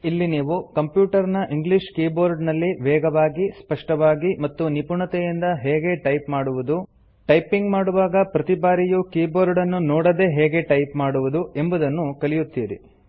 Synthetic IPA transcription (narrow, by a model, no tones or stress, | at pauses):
ilːiniːʋukɐmpjuːʈɐɾnɐʔiŋɡliʂkiːboːɾɖnɐlːiʋɛːɡɐʋaːɡispɐʂʈɐʋaːɡimɐt̪ːunipuɳɐt̪ɛjind̪ɐɦɛːɡe̞ʈɐjpmaːɽuʋud̪u | ʈɐjpiŋɡmaːɽuʋaːɡɐpɾɐt̪ibaːɾijukiːboːɾɖɐnːunɔːɽɐd̪e̞ːɦɛːɡe̞ʈɐjpmaːɽuʋud̪ue̞mbud̪ɐnːukɐlijut̪ːiːɾḭ